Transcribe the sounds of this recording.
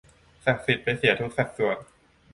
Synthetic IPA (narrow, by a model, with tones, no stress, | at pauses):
sa˨˩k̚si˨˩t̪̚pa˧jsi˨˩˦ɐt̪ʰu˦˥k̚sa˨˩k̪̚su˨˩ət̪̚